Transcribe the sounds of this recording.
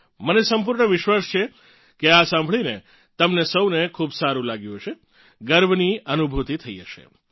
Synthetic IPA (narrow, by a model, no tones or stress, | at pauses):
mənesəmpuɾɳəʋɪʃʋast͡ʃʰe | keasãmbʱɭine | t̪əmnesəwnekʰubsaɾũlaɡjũɦəʃʰe | ɡəɾbniənubʱut̪it̪ʰəḭd͡ʒəʃḛ